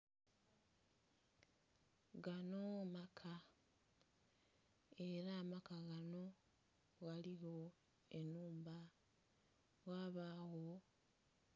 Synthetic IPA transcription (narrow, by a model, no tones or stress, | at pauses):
ɡanomakʰa | e̞ɾaːmakaɣano̞ | ɣaliɣo | enuːmba | ɣaːβaɣo